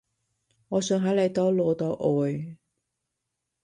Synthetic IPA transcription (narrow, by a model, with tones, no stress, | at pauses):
ŋɔː˨˧sœː˨˧ŋɦɐ˨˥lɐ˨˧jt̪ɔː˥lɔː˨˧t̪ɔː˨˥ʔɔː˨j